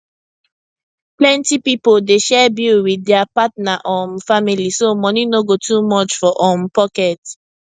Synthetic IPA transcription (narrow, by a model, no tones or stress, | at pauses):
plɛ̃ntipipodeʃɛbilwiɛapatnaʔɔmfamilisomɔninoɡotumɔt͡ʃfɔʔɔmpɔkɛt